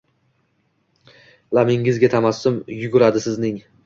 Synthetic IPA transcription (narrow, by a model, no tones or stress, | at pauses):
lamɪŋɪzɡʲat̪ʰamasːʊmjʊɡʊɾad̪ɪsɪznɪŋ